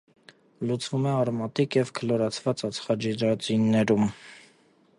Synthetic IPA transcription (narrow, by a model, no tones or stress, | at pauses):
lut͡svumɛɑɾmɑt̪ikjɛvkʰəlɔɾɑt͡sʰvɑt͡sɑt͡sʰχɑd͡ʒiɾɑt͡sinːɛɾum